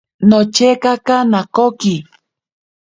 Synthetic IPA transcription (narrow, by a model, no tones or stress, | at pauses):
not͡ʃekakanakoki